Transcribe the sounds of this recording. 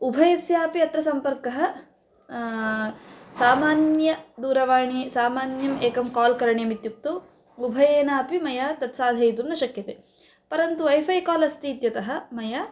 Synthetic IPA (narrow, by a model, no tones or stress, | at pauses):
ubʱɐjɐsjaːpiɐt̪ɾɐsɐmpɐɾkɐɦɐ̆ | saːmaːnjɐd̪uːɾɐʋaːɳisaːmaːnjɐmeːkɐmkaːlkɐɾɐɳjɐmit̪juk̚t̪ɐ | ubʱɐjeːnaːpimɐjaːt̪ɐt̪saːd̪ʱɐjt̪umnɐʃɐkjɐt̪eː | pɐɾɐnt̪uʋɐjfʰɐjkaːlɐst̪iːt̪jɐt̪ɐɦɐ̆mɐjaː